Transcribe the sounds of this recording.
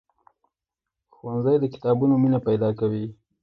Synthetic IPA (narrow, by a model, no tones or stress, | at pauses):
xwanzajd̪əkɪ̥t̪ɑbunominapajd̪ɑkawi